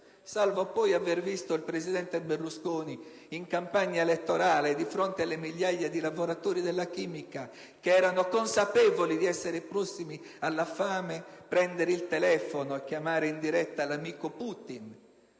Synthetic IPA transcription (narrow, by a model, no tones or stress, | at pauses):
salvopɔjavervist̪oilpɾezid̪ɛnt̪eberluskoːni | iŋkampaɲːaelet̪ːɔɾaːled̪ifɾont̪ealːemiʎːaʎːad̪ilavoɾat̪oːɾid̪elːak̟iːmika | keɛːɾanokonsapɛːvolid̪iɛsːeɾepɾɔsːimi | alːafaːmepɾɛnd̪eɾeilt̪elɛːfonoɛkːjamaːɾeind̪iɾɛt̪ːalamiːkopuːt̪in